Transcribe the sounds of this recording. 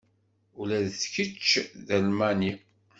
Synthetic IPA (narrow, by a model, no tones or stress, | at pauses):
ulæðθçət͡ʃːðælmæni